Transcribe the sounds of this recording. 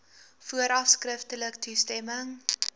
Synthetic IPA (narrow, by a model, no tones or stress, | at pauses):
fuəɾɐfskrəftələktʰustɛməŋ